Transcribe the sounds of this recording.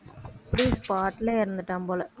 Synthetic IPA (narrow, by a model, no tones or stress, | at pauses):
pɾiːspaːʈːɪleɪɾɯnd̪ɯʈːaːmpoːlɐ